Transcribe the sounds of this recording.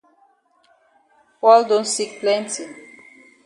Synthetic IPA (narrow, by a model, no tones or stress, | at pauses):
wald̪õnsik̚plɛ̃ntʰi